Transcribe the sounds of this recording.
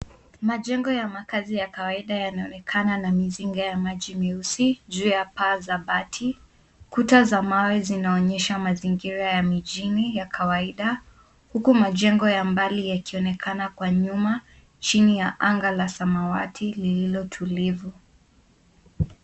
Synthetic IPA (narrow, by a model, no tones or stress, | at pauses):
maʄɛŋɡɔjamakazijakawaiɗajanaɔnɛkʰananamiziŋɡajamaʄimiusiʄuːjapaːzaɓatʰi | kutazamawɛzinaɔɲɛʃamaziŋɡiɾajamiʄinijakʰawaiɗa | hukumaʄɛŋɡɔjambalijakiɔnɛkʰanakwaɲuma | t͡ʃinijaʔaŋɡalasamawatʰilililɔtʰulivu